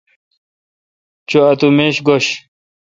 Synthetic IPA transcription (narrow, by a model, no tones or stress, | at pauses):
t͡ɕoɐt̪umeːɕɡoɕ